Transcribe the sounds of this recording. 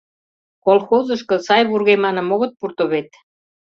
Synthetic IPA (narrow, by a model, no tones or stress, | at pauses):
kolxozə̆ʃkɤ̆sɑjβurɣemɑnə̆moɣɤ̆t̪̚purt̪oβet̪̚